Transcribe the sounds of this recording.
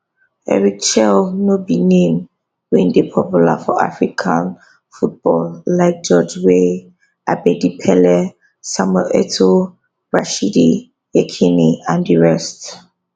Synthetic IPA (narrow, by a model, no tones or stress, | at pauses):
ɛ̰ɹik̚t͡ʃɛlnobinẽm | wĩndepʰɔpjula̰fɔʔa̰fɹikʰãn | fut̚b̥ɔlːaɪk̚d͡ʒɔd͡ʒwe | ʔabɛdipʰɛlɛ | samɛʔɛtʰo | ɹaʃidi | ɛkʰiniãndiɹɛst